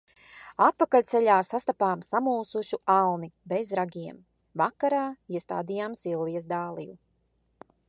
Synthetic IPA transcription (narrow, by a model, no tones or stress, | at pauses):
at̪̚pakalʲt̪sɛʎʲaːsast̪apaːmsamuːsuʃuʔawnibɛzɾaɡʲiɛm | vakːaɾaːiɛst̪a̰ːd̪ijaːmsilˠvijɛzd̪aːlˠḭju